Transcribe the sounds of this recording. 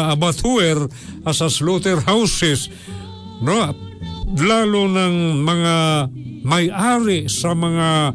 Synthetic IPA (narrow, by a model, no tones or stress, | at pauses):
ɐbat̪ʰuɛɾ | ɐsɐslot̪ɛɾhawsɛs | no | laːlonɐŋmɐŋamɐjʔaːɾɪsɐmɐŋa